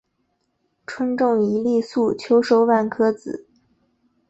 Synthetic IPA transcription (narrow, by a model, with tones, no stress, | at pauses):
ʈ͡ʂʰwə˥nʈ͡ʂʊ˥˩ŋi˧˥li˥˧su˥˩t͡ɕʰjo˧˥ʊʂo˧˥ʊwa˥˩nkʰɤ˥t͡sɹ̩˨˩˦